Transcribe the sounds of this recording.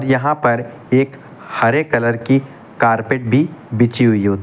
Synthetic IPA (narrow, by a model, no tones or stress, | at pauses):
ɾjɐɦãpɐɾ | eːk | hɐɾekɐləɾki | kaːɾpeːʈ̚bʱibɪt͡ʃiɦʊiɦoːt̪